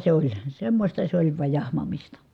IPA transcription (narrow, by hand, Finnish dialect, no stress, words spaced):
se olʲ semːosʲtɑ se olʲ ʋɑj jɑhmɑmistɑ